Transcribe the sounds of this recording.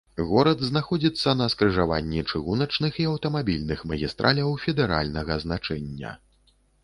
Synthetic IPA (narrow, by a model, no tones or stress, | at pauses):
ɣɔɾɐd̪znaxɔd͡zʲit̪sːɐnɐskɾɨʐava̰nʲːit͡ʂɨɣunɐt͡ʂnɨxiɐwt̪ɐmabʲilʲnɨxmɐɣʲist̪ɾʔalʲɐwfʲɛd̪ɛɾa̰lʲnɐɣɐznat͡ʂɛnʲːɐ̰